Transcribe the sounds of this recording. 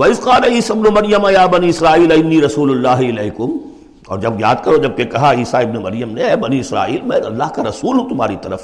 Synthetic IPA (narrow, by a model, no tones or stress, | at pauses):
ʋɐɪsqaːneiːsaɪbnomɐɾjəmajaːbɐniɪsɾaːiːlɐɪnːiːɾɐsuːlʊlːaːɦɪlɛːɦkʊm | ɔ̰ːɾd͡ʒɐbja̰ːd̪̚kɐɾod͡ʒɐb̚kekɐɦaiːsaɪbnemɐɾjəmneɛːbɐniɪsɾa̰ːḭːlmɛ̃ːɐ̰lːaːɦkaɾɐsuːlɦũt̪ʊmaːɾit̪ɐɾəf